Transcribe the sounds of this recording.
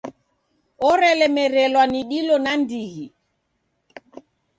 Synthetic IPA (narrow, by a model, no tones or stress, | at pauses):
ɔɾɛlɛmɛɾɛlwaniɗilɔnandihi